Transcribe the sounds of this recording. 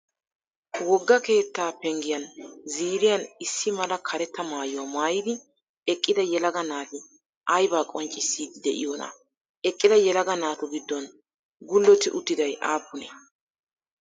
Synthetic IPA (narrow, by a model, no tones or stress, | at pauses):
wɔɡːɐke̞ːt̪ːaːpɛŋɡɪjɐnziːɾɪjɐnɪsːɪmɐlɐkʰɐɾɛt̪ːɐmaːjʊwamaːjɪd̪ɪ | ɛkʼːɪd̪ɐjɛlɐɡɐnaːt̪ɪ | ʔɐjbaːkʼɔnt͡ʃʼɪsːiːd̪ɪd̪ɛʔɪ̰jɔːnɐ̰ | ɛkʼːɪd̪ɐjɛlɐɡɐnaːt̪ʊɡɪd̪ːɔn | ɡʊlːɔt̪ːɪʔʊt̪ːɪd̪ɐjʔaːpːʊnɛ